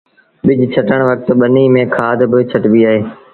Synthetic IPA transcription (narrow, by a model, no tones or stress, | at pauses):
ɓɪd͡ʑʱt͡ʃʰəʈəɽ̃ʋək̚t̪ɓəniːmẽːkʰaːd̪ʱbɪt͡ɕʰəʈbiaːɦeː